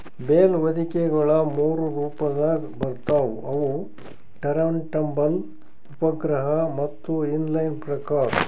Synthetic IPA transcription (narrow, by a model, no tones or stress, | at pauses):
beːlʋɐd̪ʱikɛɡɐɭɐmuːɾuɾuːpɐd̪aːɡbɐɾt̪aːʋuɐʋu | ʈɐɾɐʋɳʈɐmbɐl | upɐɡɾɐɦɐmɐt̪ːuinlɐjnpɾɐkaːɾɐ